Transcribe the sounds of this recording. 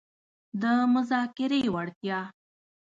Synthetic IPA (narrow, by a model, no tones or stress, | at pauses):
d̪əmʊzɑkɪɾewaɽt̪jɑ